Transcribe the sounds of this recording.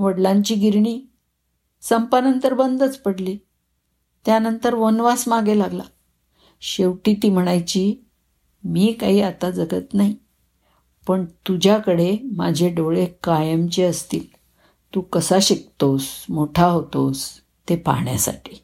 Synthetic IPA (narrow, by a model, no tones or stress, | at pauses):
ʋəɽlaɲt͡ɕiːɡʱiɾɳ̃iː | səmpanənt̪əɾbənd̪ət͡spəɽliː | t̪janənt̪əɾʋonʋasmaɡelaɡla̰ | ɕeʋʈiːt̪iːm̤əɽ̃ajt͡ɕiː | miːkaɦiːat̪ad͡zəɡət̪naɦi | pəɳt̪ud͡ʑʱjakəɽemad͡ʑʱeɖoɭekajəmt͡ɕeəst̪iːl | t̪uːkəsaɕik̚t̪osmoʈʰaɦot̪os | t̪epa̰ɳja̰sa̰ʈʰi̥ː